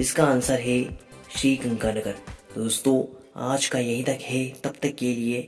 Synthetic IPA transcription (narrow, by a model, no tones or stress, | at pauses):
ɪskaənsəɾɦɛʃɾiːkɐ̃ŋkanɐɡəɾd̪oːst̪õ | a̰ːd͡ʒkajɐɦĩt̪ɐkɦɛt̪ɐbt̪ɐkːelie